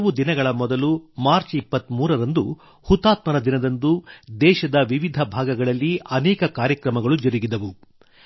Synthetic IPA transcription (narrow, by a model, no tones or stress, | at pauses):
ʋud̪inɐɡɐɭɐmɔd̪ɐlumaːɾt͡ʃipːɐt̪ːmuːɾɐɾɐnd̪u | hut̪ːaːt̪mɐɾɐd̪inɐd̪ɐnd̪ud̪ɛːʃɐd̪ɐʋiʋid̪ʱɐbʱaːɡɐɡɐɭɐlːiɐnɛːkɐkaːɾjɐkɾɐmɐɡɐɭud͡ʒɐɾiɡid̪ɐʋu